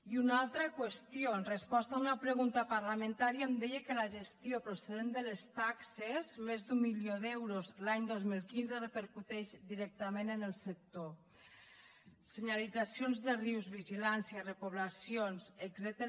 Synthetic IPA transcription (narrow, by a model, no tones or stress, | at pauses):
iunalˠt̪ɾəkwəst̪jonrəspɔst̪aunapɾəɣunt̪apaɾlamə̃nt̪aɾiamd̪ɛjekəlaʒest̪jopɾoseðend̪əlest̪aksezmezd̪umːiljoðɛwɾozlaɲd̪ozmilˠkinzərəpəɾkut̪ɛʃd̪iɾɛk̚t̪əmenənəlˠsək̚t̪o | seɲalid͡zasijonzðəriwzβiʒilansijarepuβlasijonseɡzɛt̪ə